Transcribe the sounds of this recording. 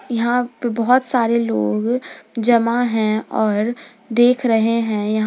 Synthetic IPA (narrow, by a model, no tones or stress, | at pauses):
jɐɦãpebɐɦɔt̪saːɾeloːɡd͡ʒɐmaɦɛ̃ɔːɾ | d̪eːkʰɾɐɦeɦɛ̃jɐɦã